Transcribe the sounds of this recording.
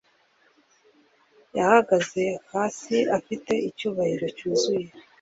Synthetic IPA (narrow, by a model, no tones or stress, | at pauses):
jahaɡaze̞haːsiafite̞icuːβahiɾo̞cuːzuje̞